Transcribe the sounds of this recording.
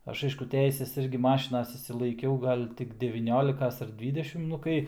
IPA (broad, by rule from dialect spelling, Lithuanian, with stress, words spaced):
ˈɐʃ ˈɐɪʃkʊ ˈtʲɛɪsʲɛs ˈɪrʲɡʲɪ ˈmɑːʃʲɪnɐs ɪʃʲsʲɪlˠɐɪˈkʲɛʊ ˈɡɐlʲ tʲɪk dʲɛʋʲiːˈnʲoːlʲɪkɐs ɐr ˈdʲʋʲiːdʲɛʃʲɪm ˈnʊ kɐɪ